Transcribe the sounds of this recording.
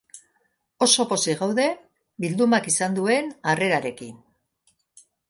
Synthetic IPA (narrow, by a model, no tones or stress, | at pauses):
o̞so̞po̞siɣawðe̞ | bild̪umakisand̪ue̞nare̞ɾaɾe̞kin